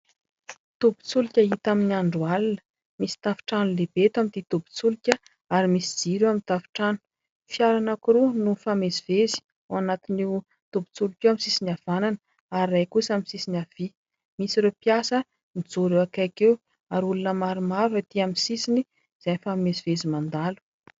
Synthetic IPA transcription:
t̪ubu̥t͡sulikʲəɦit̪aminiaɳɖ͡ʐualinə̥ | misi̥t̪afi̥ʈ͡ʂanulebet̪amit̪it̪ubu̥t͡sulikʲə | aɾimisi̥d͡z̥iɾeamint̪afi̥ʈ͡ʂanu̥ | fjaɾanakuɾunufamezivezi̥ | uanat̪ini | t̪ubi̥t͡sulikʲewamisisinav̥ananə | aɾiːajkusaminsisinav̥i | misiɾepiasə | nid͡zoɾewakajkew | aɾulunəmaɾimavət̪iaminsisini | z̥ajnifamezivezimand̪alu̥

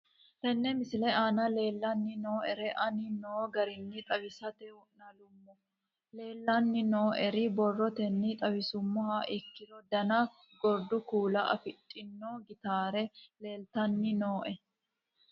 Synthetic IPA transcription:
t̪ɛnːɛmɪsɪlɛaːnɐle̞ːlːɐnːɪno̞ːʔɛɾɛʔɐnɪnoːɡɐɾɪnːɪt̪ʼɐwɪsɐt̪ɛʊnɐlʊmːɔ | le̞ːlːɐnːɪno̞ːʔɛɾɪbɔrːɔt̪ɛnːɪt̪ʼɐwɪsʊmːɔhɐʔɪkːɪd̪ɔd̪ɐnɐ | ɡɔɾd̪ʊkuːlɐʔɐ̰fɪtʼːɪnːoːɡɪt̪aːɾɛle̞ːlt̪ɐnːɪnoːʔɛ

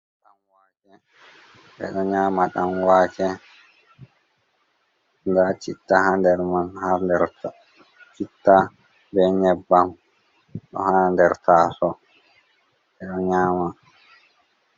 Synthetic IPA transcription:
ɗamwakɛ | ʔɛ̰ɗɔɲaːmaɗamwaːkɛ | ndat͡ʃitːahandɛɾmanhandɛɾ | t͡ʃitːa | bɛɲɛbːam | ɗɔ̰handɛɾtʰaːsɔ | ɓɛɗɔɲaːma

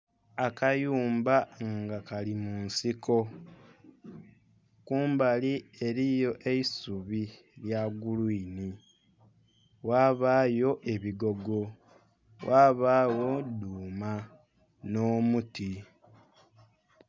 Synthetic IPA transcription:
akajuːmbaŋɡakalimunsiko̞ | kuːmbalie̞ɾijo̞ʔe̞isuβi | ljaɡulwiːni | waːβaːjo̞ʔe̞βiɡo̞ɡo̞ | wʔaːβaːwoduːma | noːmuti

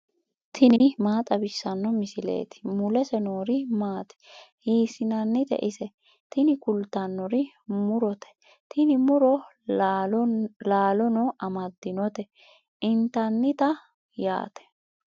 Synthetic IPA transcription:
t̪ʰɪnɪmaːt̪ʼɐbɪsːɐnːɔmɪsɪlḛːt̪ɪ̥mʊlɛsɛnoːɾɪmaːt̪ɛ̥hiːsɪnɐnːɪt̪ɛ̰ʔɪsɛ | t̪ɪnɪkʊlt̪ːɐnːɔɾɪ | mʊɾɔt̪ɛ̥ | t̪ʰɪnɪmʊɾɔ | laːlɔnɔʔɐmɐd̪ːɪnɔt̪ɛ | ʔɪnt̪ɐnːɪt̪ɐ | ja̰ːt̪ɛ̥

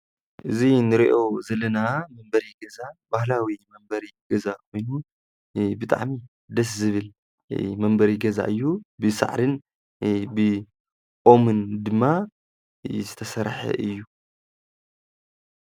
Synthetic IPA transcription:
ʔɨzinɨɾiʔo̞zɐlɐnamɐmbɐɾiɡɐzabahlawimɐmbɐɾiɡɐzakʰo̞jnu | bɨt̪ʼa̰ʕmi | d̪ɐs̬zɨβɨl | mɐmbɐɾiɡɐza̰ʔɨjːubɨsa̰ʕɾɨn | bɨ | ʔʼo̞mɨnd̪ɨmːa | zɨt̪ʰɐsɐɾħɐ̰ʔɨjːu

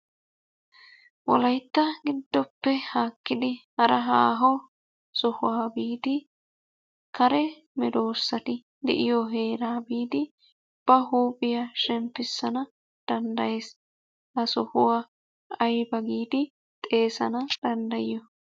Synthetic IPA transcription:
wɔ̰lɐjt̪ːɐɡɪd̪ːɔpːɛhaːkːɪd̪ɪhɐɾɐɦaːɦɔ | sɔhʊwaːbiːd̪ɪ | kɐɾɛ | mɛd̪oːsːɐt̪ɪ | d̪ɛ̰ʔɪjɔɦe̞ːɾaːbiːd̪ɪ | ʊb̥ːɐɦuːpʼɪjɐʃɛmpːɪsːɐnɐ | d̪̥ɐnd̪ɐje̞ːs | ʔɐsɔhʊwaː | ɐjbɐɡiːd̪ɪ | t̪ʼe̞ːsɐnɐd̪̥ɐnd̪ɐjɪjɔ

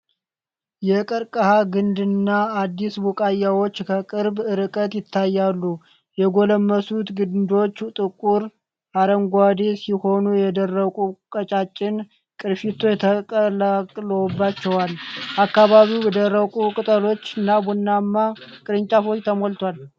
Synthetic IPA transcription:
jɛkʼɨɾkʼəhaɡɨnd̪ɨnːaːd̪ːisbukʼajːawo̞t͡ʃːkʰəkʼɨɾbɨɾɨkʼət̪jɪt̪ʰːajːalːu | jɛɡo̞ləmːəsut̪ɡɨd̪o̞t͡ʃːut̪ʼɨkʼuɾ | aɾəŋɡʷad̪esiho̞nujɛd̪ərːəkʼukʼət͡ʃʼat͡ʃʼːɪn | kʼɨɾfit̪ʰːojɛt̪ʰəəlakʼləwbːat͡ʃːɛwalʔakːaβaβiwbɛd̪ərːəkʼukʼɨt̪ʼəlo̞t͡ʃːɨnːabunːamːakʼɨɾɨɲt͡ʃʼafot͡ʃːt̪ʰəmolt̪ʰwal

